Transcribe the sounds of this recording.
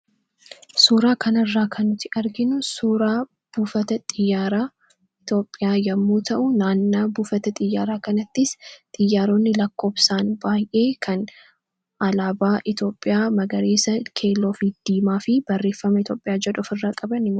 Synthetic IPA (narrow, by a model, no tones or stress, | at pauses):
suːɾaːkʰɐnɐrːaːkʰɐnːʊt̪ɪʔɐɾɡɪnʊsuːɾaː | b̥uːfɐt̪ɐt̪ʼɪjːaːɾaː | ɪt̪o̞ːpʼːɪjaːjɐmːuːt̪ʰɐʔʊnaːnːaːbuːfɐt̪ɐt̪ʼɪjːaːɾaːkɐnɐt̪ːɪst̪ʼɪjːaːɾoːnːɪlɐkːo̞ːbsaːnbaːjʔe̞ːkʰɐn | ʔɐlaːbaːʔɪt̪o̞ːpʼːɪjaːmɐɡɐɾeːsɐkʰe̞ːlːoːfɪd̪̥iːmaːfɪb̥ɐrːeːfːɐmɐɪt̪o̞ːpʼːɪjaːd͡ʒɛᶑʊfɪrːaːkʼɐbɐnɪm